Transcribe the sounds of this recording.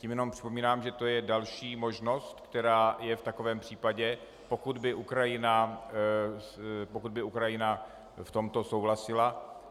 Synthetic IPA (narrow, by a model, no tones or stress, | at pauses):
cimjɛnompr̥ɪ̥po̞miːnaːmʒɛt̪o̞jɛdalʃiːmo̞ʒno̞st̪kt̪ɛɾaːjɛft̪ako̞vɛːmpr̝̥iːpaɟɛ | po̞kud̪bɪʔukɾajɪna | pokud̪̚bɪukɾajɪna | ft̪o̞mt̪o̞so̞wɦlasɪla